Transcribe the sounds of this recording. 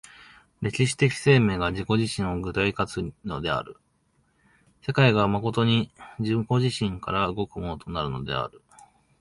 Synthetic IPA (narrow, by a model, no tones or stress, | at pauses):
ɾe̞kʲiɕi̥t̪e̞kʲi̥se̞ːme̞ːɡaʑiko̞ʑiɕĩɰ̃o̞ɡɯ̟t̪aikat͡sɨno̞d̪e̞a̰ɾɯ̟ | se̞kaiɡamako̞t̪o̞ɲ̟id͡ʑɨko̞ʑiɕĩŋkaɾaɯ̟ɡo̞kɯ̟mo̞no̞t̪onaɾɯ̟no̞̰d̪e̞̰a̰ɾɯ̟